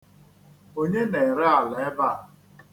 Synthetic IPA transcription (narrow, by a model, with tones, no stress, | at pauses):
o˦ɲe˦ne˨ɾɪ˦a˨le˦ba˦˨